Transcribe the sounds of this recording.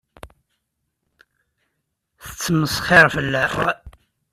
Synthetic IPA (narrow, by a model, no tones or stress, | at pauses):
θə̥t͡sːəmːəsˤχɪɾfəlːæ